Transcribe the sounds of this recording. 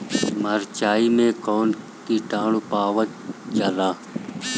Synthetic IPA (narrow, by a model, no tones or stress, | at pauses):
məɾt͡ʃaːiːmẽːkoːn | kiːʈãːɳuːpaːʋət̪ | d͡ʒalãː